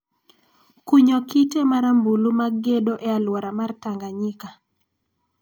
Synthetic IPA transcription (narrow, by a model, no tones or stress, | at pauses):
kuɲokitemaɾambulumaɡedoʔealwɔɾamartaŋɡaɲika